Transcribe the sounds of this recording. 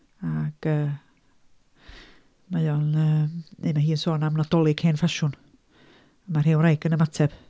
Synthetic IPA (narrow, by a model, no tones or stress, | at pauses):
aɡ̥əː | majɔnəːnḛjmaɦiːənsoːnamnɔd̥ɔlˠɪɡheːnfaʃʊn | əmarheːwrajɡənəmatʰɛb̥